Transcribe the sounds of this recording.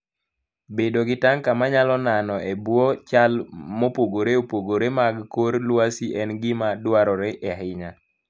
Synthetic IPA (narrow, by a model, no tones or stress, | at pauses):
bedoɡɪtaŋkamaɲalɔnanɔʔebwɔt͡ʃalmopoɡoɾeopoɡoɾemaɡkoɾlwasiʔɛnɡɪmadwaɾɔɾeʔɛɦɪɲa